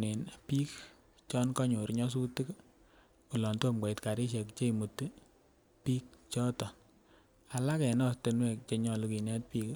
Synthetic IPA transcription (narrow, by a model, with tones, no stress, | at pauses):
ne˨npi˦k | t͡ʃɔ˦nkɔ˦ɲo˨ɾɲɔ˦s̬u˦ti˦k | ku˨lɔ˨nto˦mɡʷwa˨i˨tka˨ɾi˦ʃ̬e˨kt͡ʃe˦i˨mu˨tɨ˦ | pi˦k̚t͡ʃɔ˦tɔ˨ | a˨la˦kɛ˨nɔ˦ste˨nwɛ˦˨k̚t͡ʃe˧ɲɔ˨lu˨ki˨nɛ˦t̚piː˦k